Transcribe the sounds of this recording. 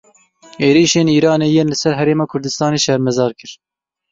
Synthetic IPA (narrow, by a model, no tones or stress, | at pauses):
eːɾiːʃeːniːɾɑːneːjeːnlɨsɛɾɦɛɾeːmɑːkʰʊɾd̪ɨst̪ɑːneːʃɛɾmɛzɑːɾkɨɾ